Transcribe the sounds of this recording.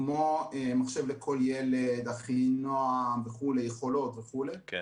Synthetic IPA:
moemaχʃevlekʰo̞ljeled̪aχinoaveχulejeχo̞lo̞t̪veχule

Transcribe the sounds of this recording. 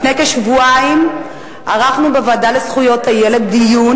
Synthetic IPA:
nejkaʃvuaim | aʁaχnubevadalesχujo̞thaje̞le̞dːijun

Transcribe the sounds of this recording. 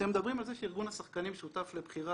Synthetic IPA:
emed̪abʁimalzeʃiʁɡunhasaχkanimeʃut̪aflebχiʁa

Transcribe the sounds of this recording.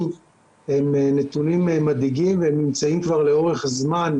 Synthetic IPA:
he̞mnet̪unimmːadiɡimvehemnimt͡saimkvaʁle̞oʁe̞χazman

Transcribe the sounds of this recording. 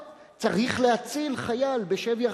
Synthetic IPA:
t͡saʁiχlehat͡silχajalbe̞ʃevja

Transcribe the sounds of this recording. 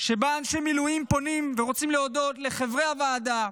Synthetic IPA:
ʃe̞baːnʃemilujimpo̞nimve̞ʁo̞t͡simleodo̞tle̞χevʁehavaːd̪a

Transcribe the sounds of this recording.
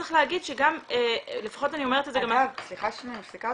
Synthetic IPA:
e̥χleaɡid̪ʃeɡamele̞fḁχo̞tanio̞meetezeɡamvsliχaʃenisika

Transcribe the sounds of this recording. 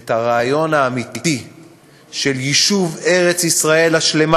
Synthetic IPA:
thaʁaːjo̞naːmit̪ii | ʃeljiʃuve̞ʁet͡sisʁae̞laʃle̞ma

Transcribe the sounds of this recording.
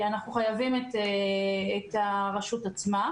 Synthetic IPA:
anaχnuχajavimet̪eː | t̪aʁaʃutat͡sma

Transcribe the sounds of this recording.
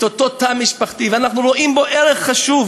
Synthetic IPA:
t̪ot̪ot̪amiʃpaχt̪ivanaχnuɾoʔimboʔɛɾɛχχaʃuv

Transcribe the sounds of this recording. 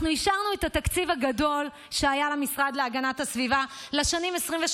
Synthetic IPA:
nuiʃaʁnuet̪at̪akt͡sivaɡado̞l | ʃeajalemisʁad̪leaɡanathasvivaleʃanimesʁimveʃ

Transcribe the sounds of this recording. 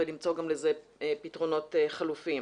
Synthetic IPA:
elimt͡so̞ɡamlezeepitʁo̞no̞teχalufim

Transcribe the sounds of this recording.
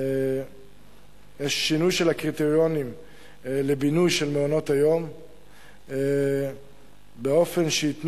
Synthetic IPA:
jeʃːinujʃelhakʁit̪eʁjo̞nim | lebinujʃelmeono̞t̪hajo̞m | beo̞fe̞nʃeit̪n

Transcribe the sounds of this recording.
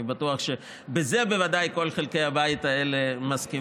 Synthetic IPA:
batuaχʃe̞ | beze̞bevad̪ajko̞lχelke̞jhabait̪aele̞maski

